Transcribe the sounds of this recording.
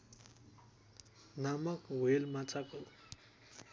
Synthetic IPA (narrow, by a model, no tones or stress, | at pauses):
namʌkwelmat͡sʰako